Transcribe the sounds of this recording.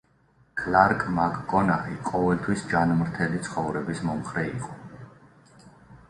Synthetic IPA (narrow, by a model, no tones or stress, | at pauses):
kʰlaɾkʼmakʼːɔnaχiqʼɔvɛlt̪ʰwisd͡ʒanmɾt̪ʰɛlit̪sʰχɔvɾɛbismɔmχɾɛiqʼɔ